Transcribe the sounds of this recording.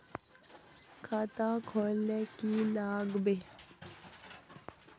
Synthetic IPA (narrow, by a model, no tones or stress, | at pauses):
kʰaːt̪ãkʰoːlːẽkilaːɡbe